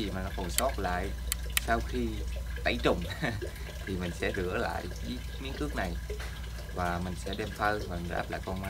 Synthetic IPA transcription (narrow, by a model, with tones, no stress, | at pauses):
i˨˩maː˨˩˨kɔ˨˩sɔ˦˥t̚la̰ː˧˨j | saː˧wxi˧t̪a̰˧˩jt͡ɕʊ˨˩ŋ͡m | t̪ʰi˨˩mï˨˩ŋ̟sɛ̰˧˥zɨ̰˧˥əla̰ː˧˨jḭ˧˦ | mi˨˦ənkɨ˦˥ək̚na˨˩j | vaː˨˩mï˨˩ŋ̟sɛ̰˧˥ɗe˧mt̪ʰə˧lvaː˨˩˨ʔa̰ː˦˥p̚la̰ː˧˨jkə˧wŋmaː˧